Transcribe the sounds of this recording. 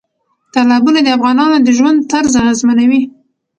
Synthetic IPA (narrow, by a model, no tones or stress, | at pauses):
t̪alabunad̪əafɣɑnɑnod̪əʒwand̪̚t̪aɾzaɣazmanawi